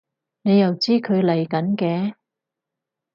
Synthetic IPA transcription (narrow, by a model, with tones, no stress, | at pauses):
ne˨˧jɐ˨wt͡siː˥kʰɵ˨˧ɥlɐ˨˩jkɐ˨˥nkɛː˧